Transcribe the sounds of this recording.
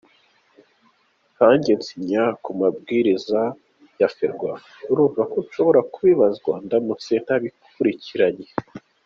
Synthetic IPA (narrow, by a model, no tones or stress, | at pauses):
haːɲɟe̞nt͡siɲakumab̚ɡiːɾiza | jafeɾɡwa | uɾuːvakoʃo̞βo̞ɾakuβiβazɡwa̰ndanut͡se̞n̥daβikʰ | uɾiciɾaɲe